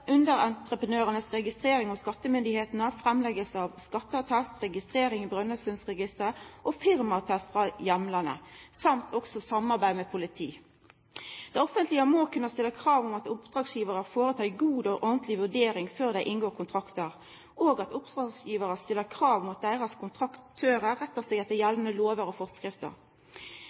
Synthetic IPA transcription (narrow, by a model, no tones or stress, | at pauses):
ʔʉnd̪əɾɑnt̪ɾəpənøːʁənəsʁɛɡɪst̪ʁeːɾɪŋɔskɑt̪ːəmʏnd̪ɪheːt̪nəfʁɛmlɛɡəlsəɑʋskɑt̪ːəɑt̪ʰæst̪ʁɛɡɪst̪ʁeːɾɪŋɔbʁœnːəst̪ʉnsʁɛɡɪst̪əɾəʔofɪʁmɑt̪ʰæst̪fʁɑjɛmlɑnə̰sɑmt̪ʰɔksɔsɑmɑʁbæɪmɛpʰʊlɪt̪ʰḭː | d̪̥æɪɔfənt̪lɪəmoːkʉnːəst̪ɪlːəkʰʁɑːʋʊmɑt̪ʊpd̪̥ʁɑːɡsjiːʋəʁəfoːʁət̪ʰɑːɪɡuːd̪ɔʔɔʁnt̪ʰlɪʋʉdeːɾɪŋføːʁd̪æɪʔɪnɡoːʁkʰʊnt̪ʰʁɑkt̪əɾ | oːɡɑt̪ʊpd̪̥ʁɑːɡsjiːʋəʁəst̪ɪlːəʁkʰɾɑːʋʊmʊt̪̚d̪æɪʁəskʰʊnt̪ʰʁɑkt̪ʰːøːʁəɾɛt̪ːəsɛːɡɛt̪ːəjɛlnəloːʋəɾɔfɔʁskʁɪft̪ə̰ɾ